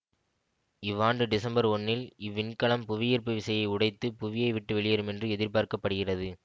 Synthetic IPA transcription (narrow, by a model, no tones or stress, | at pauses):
ɪʋːaːnɖɯɖɪsɐmbɐɾɔnːɪlɪʋːɪnkɐɭɐmpʊʋɪjiːɾpɯʋɪsɐjɐɪʊɽɐɪt̪ːɯpʊʋɪjɐɪʋɪʈːɯʋɛɭɪjɐɾɯmɛndrɯɛðɪɾpaːɾkɐpːɐɽɯɣɪrɐðɯ